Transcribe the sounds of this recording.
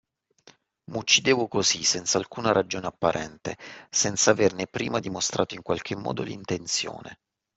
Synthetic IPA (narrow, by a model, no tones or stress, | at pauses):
mut͡ʃːid̪eːvokozisɛnt̪salkuːnaɾad͡ʒoːneapːaɾʔɛnt̪esɛnt̪savernepːɾiːmad̪imost̪ɾʔa̰ːt̪oiŋkwalk̟emːɔ̰ːd̪o̰lḭnt̪ent̪sjo̰ːnḛ